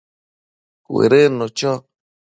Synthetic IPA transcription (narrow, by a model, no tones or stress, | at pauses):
kʷḛɾenõt͡ʃɔ